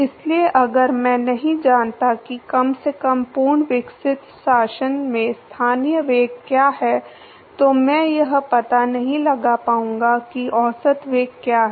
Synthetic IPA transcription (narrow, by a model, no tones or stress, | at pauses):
ɪslieʔɐɡəɾmɛ̃nɐɦĩd͡ʒaːnt̪akikɐmsekɐmpuːɾɳʋɪksɪt̪ʃaːʃənmẽst̪ʰaːnijəʋeːɡkjaːɦɛ | t̪omɛ̃ːjɐɦpɐt̪anɐɦĩlɐɡapaːũːŋɡakiʔɔːsət̪ʋeːɡkːjaːɦɛ